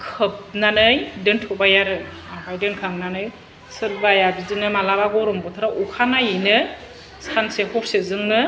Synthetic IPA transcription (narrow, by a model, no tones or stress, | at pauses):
kʰɯp̚nanɯjdɯntʰɔbajaɾɯ | abajdɯnkʰaŋnanɯj | sɯɾbajabidinɯmalabaɡɔɾɔmbɔtʰaɾaʔukʰanajinɯ | sansehɔɾsezɯŋnɯ